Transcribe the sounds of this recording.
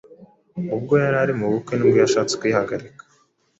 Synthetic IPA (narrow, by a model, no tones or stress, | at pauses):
ub̚ɡojaɾaɾimuβukenumɡujaʃaːt͡se̥kujihaɡaɾikḁ